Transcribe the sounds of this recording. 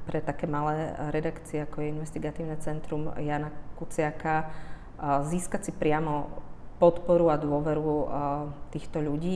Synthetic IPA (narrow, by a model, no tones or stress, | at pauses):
pɾɛt̪akɛːmalɛːɾɛd̪akt͡siɛakɔjɛinʋɛst̪iɡat̪iːʊnɛt͡sɛnt̪ɾumjaːnakut͡sɪaka | ziːskat͡sipɾɪamɔpɔt̪pɔɾuad̪ʊɔʋɛɾu | t̪iːxt̪ɔʎuɟiː